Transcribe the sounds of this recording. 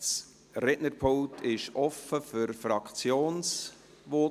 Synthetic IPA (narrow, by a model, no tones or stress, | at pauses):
s | ɾɛʔnəɾpʰoltʰɪʃɔfəfʏɾfɾɑkt͡sjoːns | ʋo